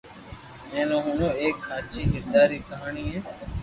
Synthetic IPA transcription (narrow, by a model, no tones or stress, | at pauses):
mẽːnõːɦʊnõːeːkːãːt͡ʃiːɡɪɾd̪aːɾiːkəɦaːɳiːɦẽː